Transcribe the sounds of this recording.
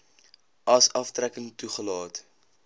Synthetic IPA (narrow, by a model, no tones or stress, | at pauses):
ɐsɐftrækəŋtuχəlɑːt